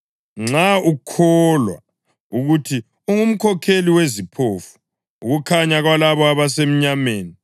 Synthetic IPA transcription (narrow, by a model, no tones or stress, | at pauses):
ŋ͡ǁaukʰɔlwa̰ | uɣutʰi | uŋum̩kʰɔkʰeliwezipʰofu̥ː | ɣukʰaɲaɣwalaβɔaβasem̩ɲameːni